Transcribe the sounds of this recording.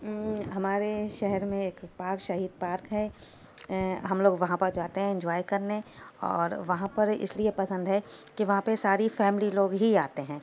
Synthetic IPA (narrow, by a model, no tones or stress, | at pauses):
ɦɐmaːɾeʃɛɦɛɾmẽeːkpaːɾkʃɐɦiːd̪̚paːɾkɦɛ | ɦɐmloːɡʋɐɦãpɐɾd͡ʒoaːt̪eɦɛ̃ɪ̃ɲd͡ʒaːjkɐɾneɔ̰ːɾʋɐɦãpɐɾɪ̰sliepɐsə̃nd̪ɦɛkiʋɐɦãpesaːɾifɛːmɪliloːɡɦiaːt̪eɦɛ̃ː